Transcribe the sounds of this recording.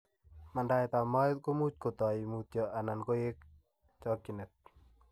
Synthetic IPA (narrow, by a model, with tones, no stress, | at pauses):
ma˨nda˦jt̪a˨ma˦t̪̚ko˦mu˦t͡ʃ̚ko˨t̪ɔ˨imut̪jɔʔa˨na˨nko˦je˦k̚ | t͡ʃɔkːinɛ˨t̪̚